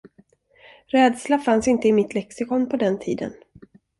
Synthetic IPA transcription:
ɾɛːd̪slafansɪnt̪əɪmɪt̪lɛksɪkɔnpʰɔd̪ɛnt̪ʰiːd̪ə̰n

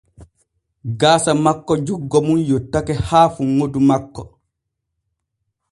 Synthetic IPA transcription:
ɡaːsamakːɔd͡ʒuɡːɔmunjotːakɛhaːfuŋːodumakːɔ

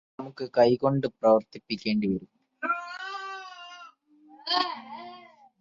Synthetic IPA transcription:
mukːɨkɐjko̞ɳɖɨprɐʋɐrt̪ipːikʲːe̞ːɳɖiʋɐɾum

